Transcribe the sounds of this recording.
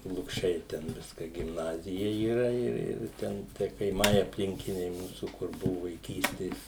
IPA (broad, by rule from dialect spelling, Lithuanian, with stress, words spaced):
lˠʊkˈʃʲɛɪ tʲɛn ˈʋʲɪskɐ ɡʲɪmˈnɑːzʲɪjɛ iːˈrɐ ˈɪr ˈɪr ˈtʲɛn tʲiɛ kɐɪˈmɐɪ ɐpʲˈlʲɪŋʲkʲɪnʲɛɪ ˈmuːsuː kʊr ˈbʊʋʊ ʋɐɪˈkʲiːsʲtʲeːs